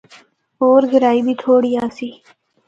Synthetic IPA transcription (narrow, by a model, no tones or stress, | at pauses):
oːɾɡɪɾaːiːbʱiːt̪ʰoːɽiːaːsiː